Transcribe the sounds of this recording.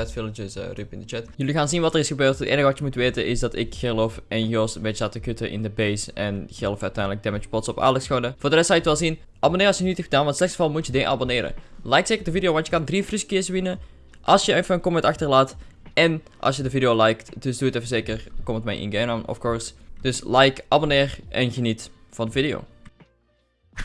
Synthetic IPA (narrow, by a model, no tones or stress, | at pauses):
ɛtfɪlˠəd͡ʒɪsrypɪndət͡ʃɛtjʏliɣaːnzinʋɑtərɪsxəbøːrtətʔḛːnəɣəʋɑtjəmutʋeːtənʔɪzdɑtɪkxəlofɛnjoːstmɛatəkøtəʔɪ̰ndəbejsɛnɣɛlˠfœɥtɛjndlək̚dɛmɪt͡ʃpɔtsɔpa̰ːlɛksxoːnəv̥oːrdərɛstsɑjətʋɛlˠzin | ʔɑbonɪːɾɑsjənytxədaːnʋɑntslɛxsə̥vɑlˠmutjədɪʔa̰bonɪːɾə̰lɛjk̚tseːkərdəvidijoːʋɑntjəkɑndrifriskɪsʋɪnə | ʔɑlˠsjəəfəənkɔmɛtɑxtərlaːtɛn | ʔɑ̰sjədəvidioːlɛjktdøsduətɛfəzeːkərkɔmətmɛjʔɪ̰nɡenanɔ̰fkoːɹsd̥øslɛjkʔabonɪːrʔɛ̰nxənitfɑndəvidɪo̰ː